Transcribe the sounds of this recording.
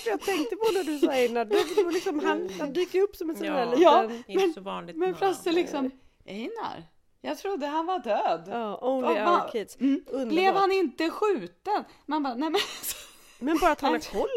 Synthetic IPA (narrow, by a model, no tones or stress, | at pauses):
fəjɑːɡt̪ʰɛŋk̚t̪əpʰɔd̪ɛd̪ɵsɛjːənæɖɵd̪lɪksɔmhanhand̪yːkːəɾɵpːsɔmɛsɛnælijɑːmɛnːnlɪmɛnflasəlɪksɔm | ɛjnæ̰ɾ | jɑːɡt̪ʰɾʊd̪ːəɦanvaɖøːd̪ɑːulɪkʰit̪sblɛvhanɪnt̪əɧʉ̟ːt̪ənmanbɑːnɛmɛnsɔ̥ | mɛnbɑːɾat̪hanhaɾkʰɔlː